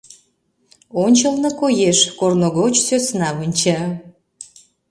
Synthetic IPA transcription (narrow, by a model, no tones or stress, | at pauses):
onʲt͡ɕəlnəkojeʃkornoɣot͡ɕsøsnɑβənʲt͡ɕɑ